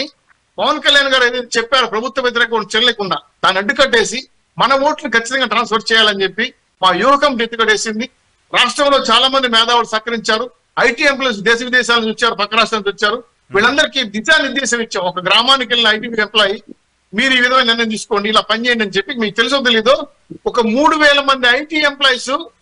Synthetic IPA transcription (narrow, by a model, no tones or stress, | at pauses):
i | pɐʋɐnkɐljaːnɡaːɾɐjd̪enit͡ʃɛpːaːɾupɾɐbʱut̪wɐʋet̪iɾɛːkɐonit͡ʃiɾɐleːkuɳɖaːd̪aːnːɐɖːukɐʈːe̞ːsi | mɐnɐʋo̞ːʈnikʰɐt͡ʃːit̪ɐŋɡaːʈɾaːnspɐɾst͡ʃɛːjaːlɐnt͡ʃe̞pːi | maːjuːɦɐkɐmeʈːukɐʈe̞ːsind̪i | ɾaːʂʈɾɐmlo̞ːt͡ʃaːlaːmɐnd̪imɛːd̪aːʋulusaːkɐɾiɲt͡ʃaːɾu | ɐjʈiːemp̬lɐːjs̬d̪ɛːʃɐʋid̪ɛːʃaːlɐnit͡ʃut͡ʃːaːɾupɐkːɐɾaːʂʈɾɐmnt͡ʃuːt͡ʃːaːɾu | ʋiːɭɐnd̪ɐɾikid̪id͡ʒaːniɾd̪ɛːʃɐmit͡ʃːaːɔkɐɡɾaːmaːnik̬ɐlnɐjʈiːʋiːemplaːji | miːɾuiːʋid̪ʱɐmɐniɾnɐjɐmt̪iːsu̥ko̞ːɳɖiːlaːpɐnt͡ʃeːjɐɳɖɐnt͡ʃepːimiːkut̪e̞lus̬ut̪eliːd̪o̞ː | ɔkɐmuːɽuʋɛːlɐmɐnd̪iɐjʈiːemplɐːjsu